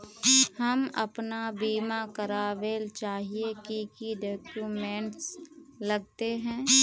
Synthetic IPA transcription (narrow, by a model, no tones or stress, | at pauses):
hɐmɐ̰pnabiːmakɐɾaːʋeːlt͡ʃaːɦiekikiɖɔːkumẽːɳʈslɐɡ̚t̪eɦɛ̃ː